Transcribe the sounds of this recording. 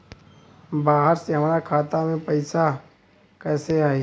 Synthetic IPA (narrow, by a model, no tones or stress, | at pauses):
baːɦəɾseɦɐmaːɾakʰaːt̪amẽpəɪsa | kɛːseaːe